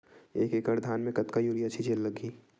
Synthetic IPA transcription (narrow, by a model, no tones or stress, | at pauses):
eːkeːkəɾd̪ʱaːnmẽkɐt̪kajuːɾiɐtːt͡ʃʰit͡ʃeːlːɐɡiː